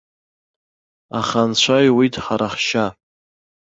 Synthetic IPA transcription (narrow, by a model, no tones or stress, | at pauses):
aχant͡ɕʷʰajwidʰħaɾaχʃa